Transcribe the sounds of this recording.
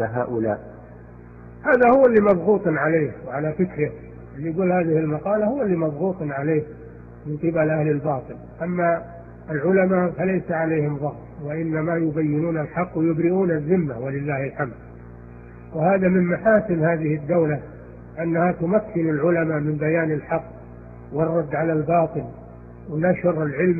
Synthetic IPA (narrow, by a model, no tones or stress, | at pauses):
aɦa̰ːʔʊla̰ːʔ | haːðahʊwalːiːmɑðˤɣuːt̪ˤnʕaleːkwʕalafɪkɾɪh | ʔɪlːiɡuːlhaːðɪhɪlmɑqɑːlahʊwːalːiːmɑðˤɣuːt̪ˤnʕaleːk | mɪnqɨbalʔahlɪlbɑːt̪ˤɨlʔamːa | ɪlʕʊlamaʔfalajsaʕaleːhɪmðˤɑhtwaʔɪnːamajʊbajːɪnuːnalħɑqːwɪjʊbɾɪʔuːnazːɪmːawalɪlːaːhɪlħamd̪̚ | wɪhaːðamɪmmaħaːsɪmhaːðɪhɪd̪ːawla | ʔanːahat̪ʊmakʰːɪnalʕʊlamamɪmbajaːnɪlħɑqː | wɨrˤːɑd̪ːʕalalbɑːt̪ˤɨl | wɪnaʃɾɪlʕɪlm